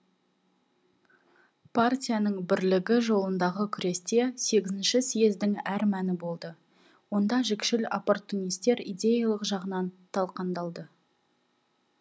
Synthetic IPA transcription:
pʰartʲijanəɴbɪɾlɪɡʲɪʒo̞lˠənd̪ɑʁəkʲʰʏɾe̞st̪e̞se̞ɡʲɪzɪnʃɪsijezd̪ɪŋæɾmænɪbo̞lˠd̪ə | wo̞nd̪ɑʒɪkʃɪla̰po̞rt̪ːunijst̪e̞ɾijd̪ʲe̞jɑlˠəqʒɑʁənɑnt̪ʰɑlˠqɑnd̪ɑlˠd̪ə

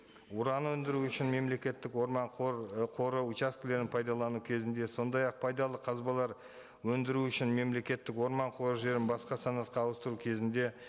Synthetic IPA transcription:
ʊɾɑnwɵnd̪ɪɾuʏʃɪnme̞mle̞kʲe̞t̪ːɪkwoɾmɑɴqʰo̞ɾəut͡ʃast̪ɪle̞ɾɪnpʰɑjd̪ɑlˠɑnukʲʰe̞zɪnd̪e̞so̞nd̪ɑjɑq̚pʰɑjd̪ɑlˠəqʰɑzbɑlˠɑɾ | wɵnd̪ɪɾuʏʃɪnme̞mle̞kʲe̞t̪ːɪkwo̞ɾmɑɴqʰo̞ɾəʒe̞ɾɪnbɑsqɑsɑnɑt̪qɑːw̪ˠəst̪əɾukʲʰe̞zɪnd̪e̞

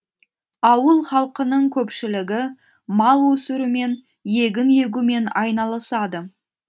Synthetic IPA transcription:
ɑwəlˠχɑlˠqənəɴkʲʰɵpʃɪlɪɡʲɪ | mɑlˠwɵsɪɾume̞n | je̞ɡʲɪnje̞ɡʲume̞nɑjnɑlˠəsɑd̪ə

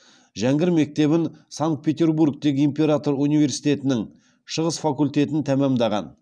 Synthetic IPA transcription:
ʒæŋɡʲɪɾme̞k̚t̪e̞βɪnsaŋkt̪̚pʰʲe̞t̪ʲe̞rburk̚t̪e̞ɡʲɪimpʲe̞ɾat̪o̞ɾunijve̞ɾsijt̪e̞t̪ɪnɪŋ | ʃəʁəsfakulʲt̪e̞t̪ɪnt̪ʰæmæmd̪ɑʁɑ̰n

